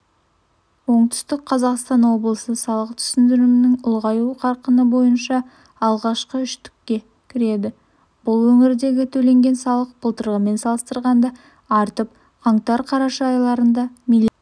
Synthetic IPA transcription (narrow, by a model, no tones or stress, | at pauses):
wo̞ɴt̪ʏ̥st̪ɪk̚qʰɑzɑqst̪ɑnwo̞blˠəsəsɑlˠəqt̪ʰʏ̥sɪnd̪ɪɾɪmɪnɪŋʊlˠʁɑjuqʰɑɾqənəbo̞jənʃɑː | lˠʁɑʃqəʏʃt̪ɪ̥kːʲe̞ | kʲʰɪɾe̞d̪ɪ | b̥ʊlˠwɵŋɪɾd̪e̞ɡʲɪt̪ʰɵle̞ŋɡʲe̞nsɑlˠəq̚b̥ʊlˠt̪ʰəɾʁəme̞nsɑlˠəst̪əɾʁɑnd̪ɑ | ɑɾt̪əp̚ | qʰɑɴt̪ɑɾqʰɑɾɑʃɑɑjlˠɑɾənd̪ɑmilʲ